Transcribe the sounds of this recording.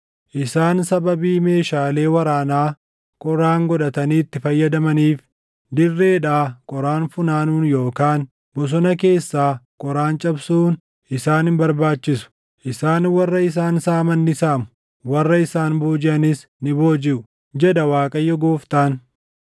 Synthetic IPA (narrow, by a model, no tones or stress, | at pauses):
ʔɪsaːnsɐbɐbiːme̞ːʃaːle̞ːwɐɾaːnaː | kʼɔɾaːŋɡɔᶑɐt̪ɐniːt̪ːɪfɐjːɐd̪ɐmɐniːf | d̪ɪrːe̞ːᶑaːkʼɔɾaːnfʊnaːnuːnjo̞ːkaːn | bʊs̬ɔnɐke̞ːsːaːkʼɔɾaːnt͡ʃʼɐbsuːn | ʔɪsaːnɪmbɐɾbaːt͡ʃːɪsʊ̥ | ʔɪsaːnwɐrːɐɪs̬aːnsaːmɐnːɪsaːmʊ̥ | wɐrːɐɪsaːnbuːd͡ʒɪʔɐnɪs | nɪbo̞ːd͡ʒɪʔʊ | d͡ʒɛd̪ɐwaːkʼɐjːɔɡoːft̪aːn